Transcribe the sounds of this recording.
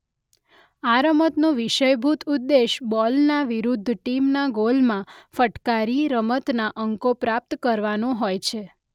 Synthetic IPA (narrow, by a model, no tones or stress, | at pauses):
aɾəmət̪nõʋiʃəjbʱut̪ʰud̪ːeʃbɔlnaʋiɾud̪ʱːʈimnaɡolmãfəʈkaɾiɾəmət̪naʔəŋkopɾap̚t̪kəɾʋanõɦojt͡ʃʰe